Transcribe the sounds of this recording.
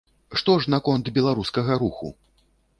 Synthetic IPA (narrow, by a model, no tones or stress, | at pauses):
ʂt̪ɔʐnɐkɔnt̪bʲɛlˠaɾuskɐɣɐɾuxṵ